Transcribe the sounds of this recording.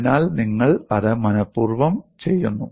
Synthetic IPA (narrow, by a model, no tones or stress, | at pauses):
naːlniŋːɐɭɐðɨmɐnɐpːuːrʋɐmt͡ɕe̞jːunːu